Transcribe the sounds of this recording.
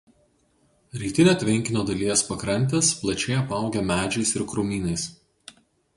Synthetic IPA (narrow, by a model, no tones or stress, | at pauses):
ɾʲiːt̪ʲɪnʲoːt̪ʲʋʲɪŋʲkʲɪnʲoːd̪ɐlʲiɛspɐkɾɐnʲt̪ʲesplˠɐt͡ʃʲɛɪɐpɐˑʊɡʲɛmʲæːd͡ʒʲɛɪsɪɾkɾʊːmʲiːnɐɪs